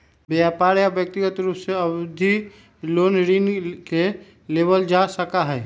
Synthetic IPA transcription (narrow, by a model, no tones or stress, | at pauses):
beaːpaːɾjabjək̚t̪iɡət̪ɾuːpseəbd̪ʱi | loːnɾinke | leːbəld͡ʒasəkaɦɛː